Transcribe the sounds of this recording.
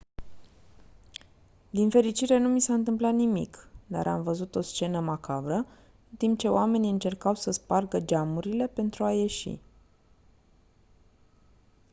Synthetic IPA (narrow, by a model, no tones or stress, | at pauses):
d̪infe̞ɾit͡ʃiɾe̞numisaɨnt̪̬ɨmplat̪nimḭkd̪a̰ɾʔa̰mvəzut̪o̞st͡ʃe̞nəmakavɾə | ɨnt̪imp̚t͡ʃe̞oame̞niɨnt͡ʃe̞rkawsəsparɡəd͡ʒamuɾile̞pe̞nt̪ɾuaje̞ʃḭ